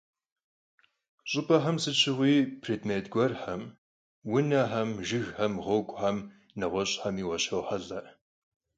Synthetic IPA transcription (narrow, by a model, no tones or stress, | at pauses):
ɕʼʊpʰʼɐħɐmsɨt͡ʃʰɪʁʷiːpʰreːdmeːtɡʷɔrħɐm | wʊnɐħɐmʒɪɣħɐmʁʷoːɡʷʼħɐm | nɐʁʷɔɕʼħɐmiːwɐɕɐwħɐɮɐʔ